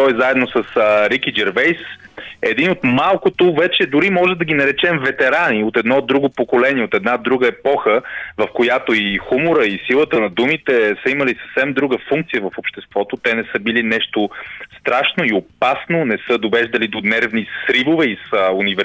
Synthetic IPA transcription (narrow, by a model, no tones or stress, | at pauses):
t̪ɔɛzaɛd̪nosəsɾikid͡ʒɛɾvɛjs | ɛd̪inot̪malˠkot̪ovɛt͡ʃɛd̪uɾimɔʒɛmd̪ɐɡʲinɐɾɛt͡ʃɛmvɛt̪ɛɾaniot̪ɛd̪nɔd̪ːɾuɡʊpokolɛniɛot̪ɛd̪nad̪ɾuɡəɛpɔxəvɐfkojat̪oixumoɾəisilˠət̪ənɐd̪umit̪ɛsəiməlisə̥fsɛmd̪ɾuɡəfuŋk̚t̪sijəvɐfopʃt̪ɛst̪vɔt̪ot̪ɛnɛsɤbilinɛʃt̪ost̪ɾaʃnoiopasnonɛsəd̪ovɛʒd̪ɐlid̪onɛɾvnisɾivovɛisəunivɛɾ